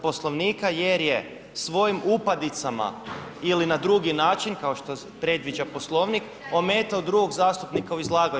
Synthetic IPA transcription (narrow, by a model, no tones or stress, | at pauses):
po̞slˠo̞ʋniːkaje̞ɾje | sʋo̞jimupad̪it̪sama̰ilinad̪ɾuɡinaːt͡ʃinkao̞ʃt̪o | pɾe̞d̪ʋid͡ʒapo̞slˠo̞ʋnik | o̞me̞ːt̪aod̪ɾuɡo̞ɡzaːst̪upnikauizlˠaːɡa